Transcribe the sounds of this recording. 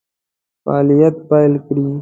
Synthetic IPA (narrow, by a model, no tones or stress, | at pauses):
faːlijɐt̪̚pajlkɾi